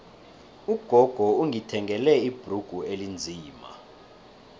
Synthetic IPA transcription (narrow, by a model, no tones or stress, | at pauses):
uɡ̥ʱɔɡ̥ʱɔuŋitʰɛŋʱɛlɛib̥ʱruɡ̥ʱuelind͡zʱiːma̰